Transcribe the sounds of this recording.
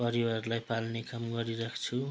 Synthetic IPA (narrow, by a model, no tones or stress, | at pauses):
pʌɾiwarlajpalnekamɡʌɾirakʰt͡sʰu